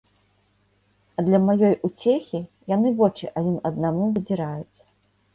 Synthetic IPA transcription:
ɐd̪lʲɐmajɔjʔut͡sʲexʲi | janɨvɔt͡ʂiʔad͡zʲinɐd̪̚namuvɨd͡zʲiɾajut͡sʲ

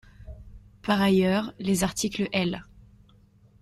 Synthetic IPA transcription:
paʁajœʁlezaʁt̪ikləʔɛl

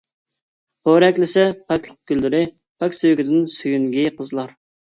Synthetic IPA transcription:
boɾɛkʲlɪsɛpʰɛkʲl̚ɡ̥ʲylːɪɾɪ | pʰɛkʲsøjɡʲɪd̪ɪnsyjyŋɡʲiqʰəzlˠɑɾ

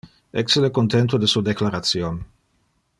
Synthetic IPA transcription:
ɛkselekont̪ent̪̬od̪esud̪eklaɾat̪sjon

